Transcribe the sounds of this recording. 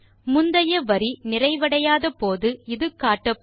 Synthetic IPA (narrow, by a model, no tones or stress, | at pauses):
mʊnd̪ɐjɐʋɐɾinɪrɐɪʋɐɽɐjaːðɐpoːðɯɪðɯkaːʈːɐp